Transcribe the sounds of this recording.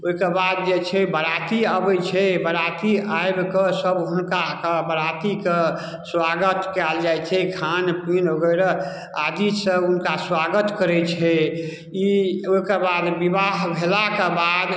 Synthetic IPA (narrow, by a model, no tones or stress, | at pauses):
oikebad̪̚d͡ʒet͡ʃʰɛbəɾat̪iəbɛt͡ʃʰɛbəɾat̪iajbkesəbɦunkakebəɾat̪ike | swaɡət̪kɛld͡ʒajt͡ʃʰɛkʰanpinɦoɡəɾe | ad̪isəunkaswaɡət̪kəɾɛt͡ʃʰɛ | ioikebad̪bibaɦbʱelakebad̪